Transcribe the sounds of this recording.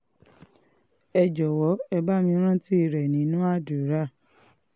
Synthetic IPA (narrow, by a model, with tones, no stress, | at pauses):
ɛ˧d͡ʒɔ˨wɔ˨˦ɛ˧ba˦mĩ˧˦ɾ̃ã˦ti˦i˦˨ɾɛ˨nĩ˨˦nũ˦a˦du˨˦ɾa˦˨